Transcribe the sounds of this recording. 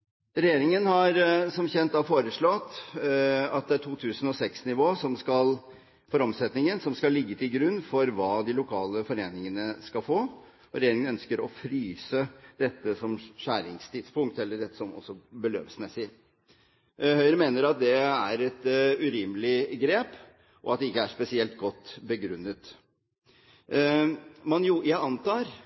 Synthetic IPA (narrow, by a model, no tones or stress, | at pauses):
ɾɛjeːɾɪŋənhɑɾsɔmçɛnt̪̚d̪ɑfoːɾəʂɭɔt̪ː | ɑt̪̚d̪ɛæʈʰuːt̪ʰʉːsənɔsɛksnɪʋoːsɔmskɑl | fɔɾɔmsɛt̪nɪŋənsɔmskɑlːɪɡːət̪ʰɪlɡɾʉnːfɔɾʋɑːd̪ɪlʊkʰɑːləfɔɾeːnɪŋənəskɑlfoː | ɔɾɛjeːɾɪŋənœnskəɾɔfɾyːsəd̪̥ɛt̪ːəsɔmʃæːɾɪŋst̪ʰɪd̪spʊŋk̚t̪ɛlːəɖɛt̪ːə̥sɔmɔ̰sːɔbəlø̰ːʋsmɛsɪ | hœʏɾəmeːnəɾɑt̪̚d̪ɛæɾɛt̪ʉɾiːmlɪɡɾeːp | ʔɔ̰ɑt̪d̪ɛɪkːəæʂpɛsɪɛlt̪̚ɡɔt̪ːbəɡɾʉnːət̪ | mɑnjuːjæɪɑnt̪ɑːɾ